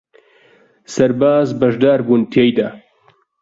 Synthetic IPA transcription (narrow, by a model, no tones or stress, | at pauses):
sɐɾbaːzbɐʒd̪aːɾbuːnt̪ʰejd̪ɐ